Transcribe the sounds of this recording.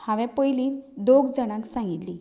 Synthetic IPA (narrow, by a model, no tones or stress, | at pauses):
hãʋɛ̃pəjlid̪oɡd͡zəɽ̃ãksãŋɡit̪li